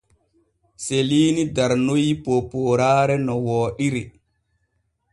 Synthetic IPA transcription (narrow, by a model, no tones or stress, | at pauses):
seliːnidaɾnojipopoːɾaːɾɛnɔwɔːɗiɾi